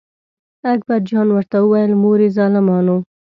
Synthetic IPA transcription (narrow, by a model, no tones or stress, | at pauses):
ak̚baɾd͡ʒɑnwəɾt̪awuwajəlmoɾizɑlɪmɑːno